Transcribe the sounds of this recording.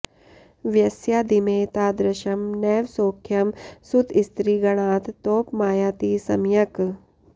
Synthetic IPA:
ʋjɐsjaːd̪imeːt̪aːd̪ɾɐʃɐmnɛːʋsoːkʰjɐmsud̪ɪst̪ɾiːɡɐɽ̃ãːt̪t̪oːpmaːjaːt̪isɐmjɐk

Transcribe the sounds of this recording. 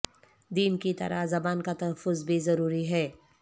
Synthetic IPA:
d̪iːmkit̪ɐ̰ɾa̰ɦzɐbaːnkat̪ɐɦəfːʊzbʱizɐɾuːɾiɦɛː

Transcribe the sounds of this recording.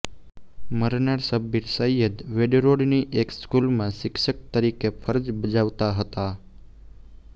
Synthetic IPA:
məɾnaɾsəbiɾsəjjəd̪ʋeɖɾoɽniʔekskulmãʃɪkʃək̚t̪əɾikefʰəɾəd͡ʒbəd͡ʒaʋt̪aɦət̪a

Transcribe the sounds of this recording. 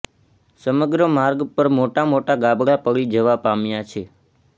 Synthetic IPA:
səməɡɾəmaɾɡpəɾmoʈamoʈaɡabɽapəɡid͡ʒəʋapamjat͡ʃʰe

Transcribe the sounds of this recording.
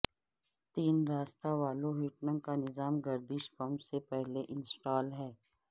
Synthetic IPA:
t̪iːnɾaːst̪aʋaːloɦiːʈnə̃mkanɪzaːmɡɐɾd̪ɪʃpɐmsepɛɦleʔɪ̃nsʈaːlɦɛː

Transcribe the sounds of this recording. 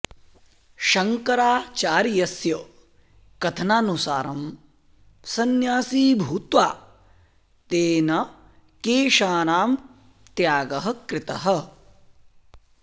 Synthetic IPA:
ʃɐŋkɐɾaːt͡ʃaːɾjɐsjɐ | kɐt̪ʰɐnaːnusaːɾɐm | sɐnjaːsiːbʱuːt̪ʋaː | t̪eːnɐ | keːʃaːnaːm | t̪jaːɡɐɦɐ̆kɾɪt̪ɐɦɐ̆

